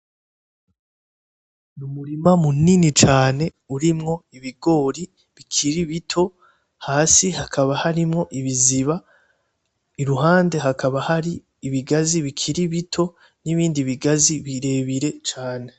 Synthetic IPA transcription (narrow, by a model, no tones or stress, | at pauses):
numuɾimamuninit͡ʃaːne̞ | uɾimŋo̞iβiɡo̞ːɾi | βikʰiɾiβitʰo̞ | haːsihakʰaβahaɾimŋo̞ʔiβiziβa | iɾuɦaːnde̞ɦakʰaβahaɾi | iβiɡaziβikʰiɾiβitʰo̞ | niβiːndiβiɡaziβiɾe̞βiɾe̞t͡ʃaːne̞